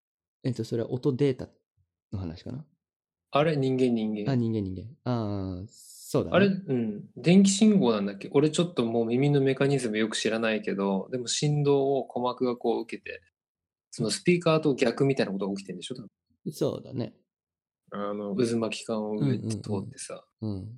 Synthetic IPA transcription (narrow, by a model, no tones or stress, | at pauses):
et̪osoɾe̞βa̰ʔot̪o̞d̪e̞ːt̪a | no̞ɦana̰ɕi̥ka̰na | aɾe̞ɲ̟ĩŋɡẽ̞ɲ̟ːĩŋɡẽ̞aɲ̟ĩŋɡẽ̞ɲːĩŋɡḛ̃aː | so̞ːd̪a̰aɾe̞ɯ̟̃ɴd̪ẽ̞ŋk̬ʲi̥ɕĩŋɡo̞ːnãnd̪akʲːe̞ʔo̞ɾe̞t͡ɕo̞t̪ːo̞mo̞ːmʲimʲino̞me̞kaɲ̟izɨmɯjo̞kɯ̟ɕiɾanaike̞d̪o̞d̪e̞mo̞ɕĩnd̪o̞ːokʰo̞makɯ̟ɡako̞ːɯ̟ke̞t̪e̞̰ | so̞no̞sɨ̥pʲiːkaːd̪o̞ːɡʲakɯ̟mʲit̪ainakot̪oɡaokʲi̥t̪e̞nd̪eɕo̞t̪a | so̰ːd̪a̰nḛ | ano̞ɯ̟zɨmakʲi̥kãɰ̃o̞ɯ̟e̞t̪ːet̪ʰo̞ːt̪ːe̞̥sa̰ | ɯ̃